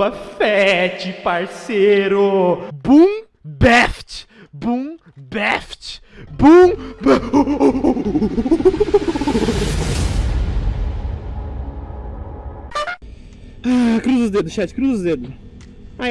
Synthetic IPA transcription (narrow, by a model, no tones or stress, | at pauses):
ɐfɛt͡ʃipaɾseɾʊbũ | bɛft͡ʃ | bũ | bɛft͡ʃ | bũ | akɾuzud̪ed̪ʊʃɛt͡ʃ̪ʃkɾuzud̪ed̪ʊʃ | a